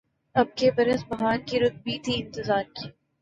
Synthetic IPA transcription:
ɐb̚kebɐɾəsbɐɦaːnkiɾʊt̪̚bʱit̪ʰiɪ̃nt̪ɪzaːɾkiː

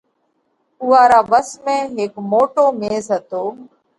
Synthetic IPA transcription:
uːaːɾaːʋəsmẽːɦɪːkmoːʈoːmeːzɦət̪oː

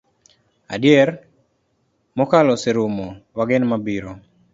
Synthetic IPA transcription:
a̰djɛr | mɔkalɔseɾumowaɡɪnmabiɾo

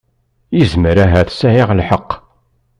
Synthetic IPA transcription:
jizməɾæɦæθsæjiʁlħəqː

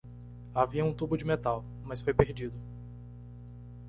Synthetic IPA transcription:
aviɐũt̪ubʊd͡ʒɪmet̪aw | mɐsfojpeɾd͡ʒid̪ʊ

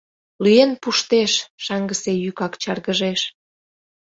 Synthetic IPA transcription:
lyenpuʃt̪eʃʃɑŋɡəsejykɑkt͡ɕɑrɣəʒeʃ

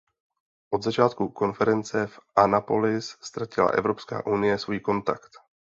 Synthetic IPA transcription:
ʔo̞d̪zat͡ʃaːt̪kuko̞nfɛɾɛnt͡sɛfʔanapolɪsst̪ɾacɪla̰ʔɛ̰vɾo̞pska̰ːʔunɪjɛsvujko̞nt̪a̰kt̪

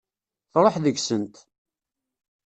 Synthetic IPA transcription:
θɾˤoħðəɡsənt̪

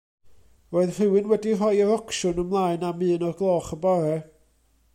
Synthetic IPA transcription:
roːɨðr̥ɨwɨnwɛdirɔjəɾɔkʰʃʊnəmlˠaːɨnamɨːnɔrɡlˠɔːχəbɔɾɛ

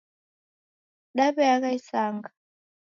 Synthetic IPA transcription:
ɗaɓɛak̬aisaːŋɡa

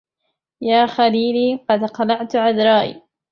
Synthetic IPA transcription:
jaːxaliːliːqɑd̪qɑlɑʕt̪ʕad̪ɾˤɑːʔḭː

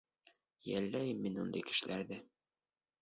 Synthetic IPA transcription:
jælːæjɘmːinund̪ɤ̰jkɘ̥̆ʃɘ̆læɾðæ

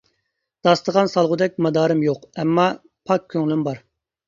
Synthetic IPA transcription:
d̪̥ɑst̪əʁɑnsɑlˠʁʊd̪ɛk̚ʲmɑd̪ɑːɾɨmjoqɛmːɑ | pʰɑkʲʰːøŋlymbɑɾ

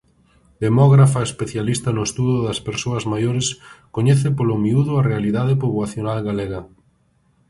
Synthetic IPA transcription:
d̪emɔɣɾafaespeθjalist̪ɐnʊest̪uðʊðɐspeɾsoɐzmajoɾɪskoɲɛθɪpolomiuðʊarealiðaðepoβwaθjonalɣaleɣɐ

